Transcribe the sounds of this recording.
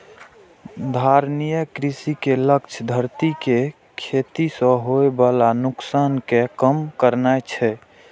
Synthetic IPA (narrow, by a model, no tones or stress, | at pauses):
d̪ʱaɾnijəkɾisikelək̚t͡ʃʰəd̪ʱəɾt̪ike | kʰet̪isə̃ɦoebalanuksankekəmkəɾnajt͡ʃʰɛ